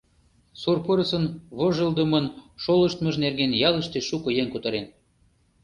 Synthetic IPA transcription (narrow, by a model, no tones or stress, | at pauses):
surpoɾəsənβoʒə̆ld̪ə̆mɤnʃoləʃt̪mɤ̆ʒnerɡenjɑlə̆ʃt̪eʃukɤ̆jeŋkut̪ɤɾen